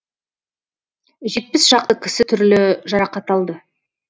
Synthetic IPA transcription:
ʒe̞t̪̚pɪsʒ̥ɑq̚t̪əkʲʰɪsɪt̪ʰʏɾlɪʒɑɾɑqɑt̪ɑlˠd̪ə

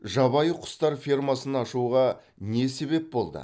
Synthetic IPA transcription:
ʒɑβɑjəqʰʊ̥st̪ɑɾfʲirmɑsənɑʃuʁɑ | ne̞se̞be̞p̚bo̞lˠd̪ə̰

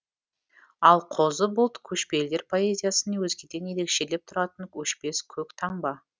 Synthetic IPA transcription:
ɑlˠqʰozəbʊlˠt̪kʲʰɵʃpe̞ld̪e̞ɾpʰo̞e̞zʲijasənewɵzɡʲed̪enjeɾe̞kʃe̞le̞p̚t̪ʰʊɾɑt̪əŋkʲʰɵʃpe̞skʲʰɵkt̪ʰɑɴbɑ

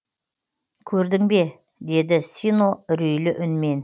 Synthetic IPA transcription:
kʲʰɵɾd̪ɪŋbe̞ | d̪e̞d̪ɪsinoɾejlɪʔʏnme̞n

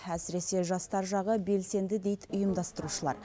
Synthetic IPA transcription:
æsɪɾe̞se̞ʒɑst̪ɑɾʒɑʁəbe̞lse̞nd̪ɪd̪e̞jt̪ʊjəmd̪ɑst̪əɾuʃəlˠɑ̰ɾ

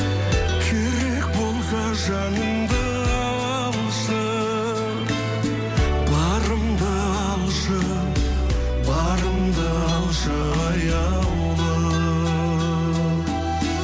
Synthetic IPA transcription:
kʲʰeɾek̚bo̞lˠsɑ | ʒɑnəmd̪ə | ɑwɑ | lˠ | ʃə | bɑɾəmd̪ə | ɑɑlˠʃə | bɑɾəmd̪ə | ɑlˠʃə | ɑjɑ | w | lə

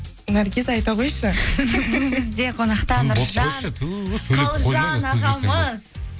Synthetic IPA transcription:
næɾɡʲezɑjt̪ɑqʰojʃəbɪŋbɪzd̪e̞qʰonɑqt̪ɑnʊɾɑ | lˠʒɑnɑʁɑməz

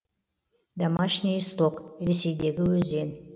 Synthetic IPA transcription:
d̪amaʃnʲijst̪okɾese̞jd̪e̞ɡʲɪwɵze̞n

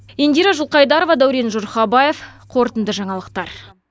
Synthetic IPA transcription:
end̪iɾɑʒʊlˠqɑjd̪ɑɾo̞vɑd̪æwɾe̞nʒʊɾχɑbɑje̞fqʰo̞ɾt̪ənd̪əʒɑɴɑlˠəq̚t̪ɑɾ

